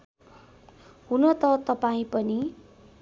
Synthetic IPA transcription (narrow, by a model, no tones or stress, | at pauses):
hunʌt̪ʌt̪ʌpaĩpʌni